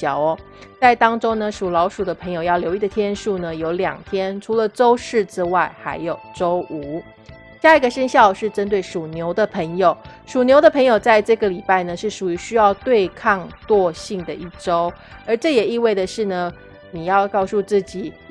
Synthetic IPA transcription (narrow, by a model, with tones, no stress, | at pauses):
jɑ˨˩˦ʊ | t͡sa˥˩ɪt̪ɑ˥ŋʈ͡ʂo˥ŋnə˨ʂu˨˩lɑ˧˥ʊʂu˨˩d̪ə˦pʰə˧˥ŋjo˨˩ʊjɑ˥˩ʊljo˧˥ʊi˥d̪ə˨˩t̪ʰjɛ˥nʂu˥˩nə˩jo˧˥ʊljɑ̰˨˩ŋt̪ʰjɛ˥nʈ͡ʂʰu˧˥lə˨ʈ͡ʂo˥ʊʂɻ̩˥˩ʈ͡ʂɻ̩˥wa˥˩ɪxa˧˥ɪjo˨˩ʊʈ͡ʂo˥ʊʔu˧˥˦ | ɕja˥˧i˧˥ɡə˨˩ʂə˥nɕjɑ˥˧ʊʂɻ̩˥˩ʈ͡ʂə˥nt̪we˥˩ɪʂu˨˩njo˧˥ʊd̪ə˨pʰə˧˥ŋjo˨˩ʊ | ʂu˨˩njo˧˥ʊd̪ə˧pʰə˧˥ŋjo˨˩ʊt͡sa˥˧ɪʈ͡ʂɤ˥˩ɡə˩li˨˩pa˥˩ɪnə˩ʂɻ̩˥˩ʂu˨˩y˧˥ɕy˥jɑ˥˧ʊt̪we˥˧ɪkʰɑ˥˧ŋt̪wɔ˥˧ɕi˥˩ŋd̪ə˩ʔi˥˩ʈ͡ʂo˥ʊ | ə˞˧˥ʈ͡ʂɤ˥˩jɛ˨˩i˥˧we˥˩ɪd̪ə˩ʂɻ̩˥˩nə˩ | ni˨˩jɑ˥˧ʊkɑ˥˧ʊsu˥˧t͡sɹ̩˥˩t͡ɕi˨˩˦